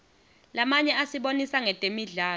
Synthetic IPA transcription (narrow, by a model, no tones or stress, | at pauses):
lamaɲɛasiɓonisaŋɛtʼemiɮaː